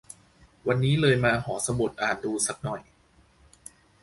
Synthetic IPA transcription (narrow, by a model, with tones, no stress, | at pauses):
wa˧nːiː˦˥lɤː˧jmaː˧hɔː˩˦sa˧mo˨˩t̪̚ʔaː˨˩n̚duː˧sa˨˩k̚nɔ˨˩j